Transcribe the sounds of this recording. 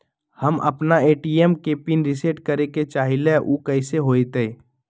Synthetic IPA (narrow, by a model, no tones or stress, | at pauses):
həmɐ̰pnaeːʈiemkepinɾɪseʈkəɾeket͡ʃaːɦɪleʔuːkəɪseɦoːit̪ei